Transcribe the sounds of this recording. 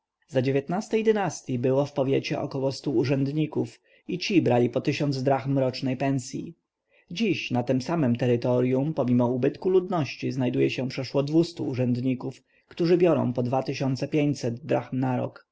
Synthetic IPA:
zad͡ʑevʲjet̪nast̪ɛjd̪ɘnast̪ʲjibɘwɔfpɔvʲjet͡ɕɛʔɔ̰kɔwɔst̪uːʐɛnd̪ɲikuf | it͡ɕibɾalʲipɔt̪ɘɕɔnd̪zd̪ɾaxmɾɔt͡ʂnɛjpɛnsʲjḭ | d͡ʑiɕnat̪ɘmsamɛmt̪ɛɾɘt̪ɔɾjumpɔmʲimɔubɘt̪kulud̪nɔɕt͡ɕiznajd̪ujɛɕɛpʂɛʂwɔd̪vust̪uːʐɛnd̪ɲikuf | kt̪uʐɘbʲjɔɾɔ̰̃w̃pɔd̪vat̪ɘɕɔnt̪sɛpʲjeɲt͡ɕʲsɛd̪d̪ɾaxmnaɾɔ̰k

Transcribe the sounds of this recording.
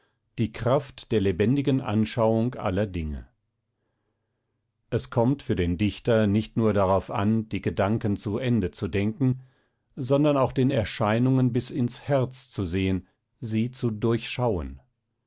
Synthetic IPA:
d̥iːkʁ̥aftd̥eːɐlebɛndɪɡənʔa̰nʃaʊʊŋkʔa̰lɐdɪŋə̰ | ʔɛskʰɔmtfyːɐdeːndɪçtɐnɪçtnuːɐdaʁaʊfa̰nd̥iːɡədaŋkən̩t͡suʔɛndət͡sudɛŋkn̩ŋ̩ | zɔndɐnaʊxd̥eːnɛɐʃaɪnʊŋənbɪsɪnshɛɐt͡st͡suzeːən | ziːt͡sudʊɐçʃaʊə̰n

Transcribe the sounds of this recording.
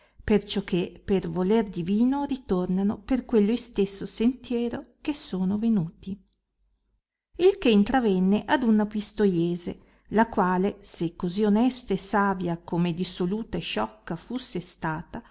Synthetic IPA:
pert͡ʃɔkʰːepervolerd̪iviːnorit̪ornanoperkwelːojst̪esːosent̪jɛːɾokesːoːnovenuːt̪i | ilkeint̪ɾavɛnːeʔad̪unapist̪ojeːze | lakwaːlesekːozionɛst̪aesaːvjakomed̪isoluːt̪aeʃːɔkːafusːest̪aːt̪a

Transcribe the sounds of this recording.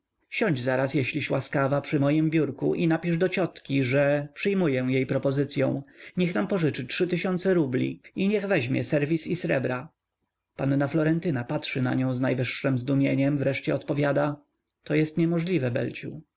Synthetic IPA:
ɕɔ̃ɲd͡ʑzaɾasjɛɕlʲiɕwaskavapʂɘmɔjimbʲjuɾkuʔinapʲiʐd̪ɔt͡ɕɔt̪kʲiʐɛpʂɘjmujɛ̃jejpɾɔpɔzɘt̪sʲjɔ̰̃w̃ɲɛxnampɔʐɘt͡ʂɘtʂɘt̪ɘɕɔnt̪sɛɾublʲḭiɲɛɣvɛʑmʲjɛ̰sɛɾvʲisisɾɛ̰bɾa | panːaflɔɾɛnt̪ɘnapatʂɘna̰ɲɔ̃w̃znajvɘʂːɛmzd̪umʲjeɲɛmvɾɛʂt͡ɕɛɔt̪pɔvʲjad̪a | t̪ɔjɛst̪ɲɛmɔʐlʲivɛbɛ̰lt͡ɕu

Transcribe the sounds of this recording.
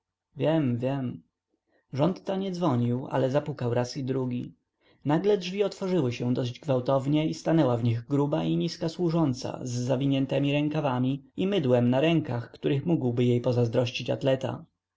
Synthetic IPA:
vʲjɛmvʲjɛm | ʐɔnt̪ːaɲɛd̪zvɔɲiwa̰lɛzapukawɾasid̪ɾuɡʲi | naɡlɛdʐvʲiɔt̪fɔʐɘwɘɕɛ̃d̪ɔɕd͡ʑɡvawt̪ɔvɲɛist̪anɛwavɲiɣɡɾubaʔiɲiskaswuʐɔnt̪sa̰zːavʲiɲɛnt̪ɛmʲiɾɛŋkavamʲiimɘd̪wɛmnaɾɛŋkaxkt̪uɾɘxmuɡwbɘjejpɔzazd̪ɾɔɕt͡ɕit͡ɕa̰t̪lɛt̪a̰

